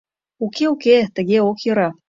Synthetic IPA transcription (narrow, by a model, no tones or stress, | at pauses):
ukeuket̪ə̆ɣeokjɤ̆ɾɑ